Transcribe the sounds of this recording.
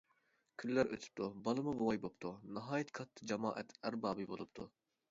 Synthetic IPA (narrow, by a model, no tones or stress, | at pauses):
kʲʰylːæɾʔø̰t̪ʰy̥p̚t̪ʰubɑlˠɨmubuwɑjbop̚t̪ʰunɑɦɑːjɛt̪kʰɑt̪ʰːɨ̥d͡ʒɑmɑ̰ːʔɛt̪ʰæɾbɑːbɨbolˠupt̪ʰu